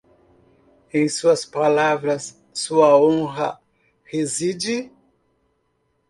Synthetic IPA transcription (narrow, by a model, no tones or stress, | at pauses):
ẽj̃suɐspalavɾɐs | suɐõɦɐ̰ | hezid͡ʒɪ